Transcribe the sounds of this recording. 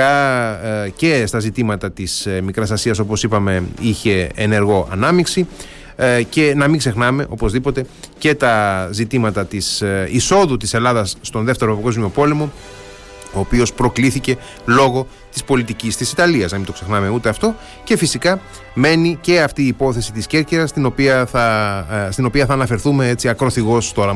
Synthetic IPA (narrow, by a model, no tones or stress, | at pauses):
ɐ | ce̞st̪ɐzit̪imɐt̪ɐt̪ismikɾɐsɐsiɐso̞po̞sipɐme̞içe̞ːne̞ɾɣo̞ʔɐ̰nɐmiksi | ce̞nɐmiŋɡse̞xnɐme̞ʔo̞po̞zðipo̞t̪e̞ | ce̞t̪ɐzit̪imɐt̪ɐt̪isiso̞ðut̪ise̞lɐðɐsːt̪o̞nðe̞ft̪e̞ɾo̞pɐŋɡo̞zmio̞po̞le̞mo̞ | o̞ːpio̞spɾo̞kliθice̞ | lo̞ɣo̞ | t̪ispo̞lit̪icist̪isit̪ɐliɐznɐmint̪okse̞xnɐme̞ut̪eɐft̪o̞ | ce̞fisikɐ | me̞nice̞ɐft̪iːpo̞θe̞sit̪isce̞ɾceɾɐst̪ino̞piɐθɐst̪ino̞piɐθɐːnɐfe̞ɾθume̞e̞t͡siɐkɾo̞θiɣo̞st̪o̞ɾɐ